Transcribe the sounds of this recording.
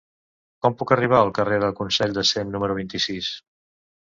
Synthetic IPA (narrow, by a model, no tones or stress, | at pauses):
kɔmpukəriβ̞aəlˠkəreðəkunsɛʎʲd̪əsemnuməɾuβint̪isis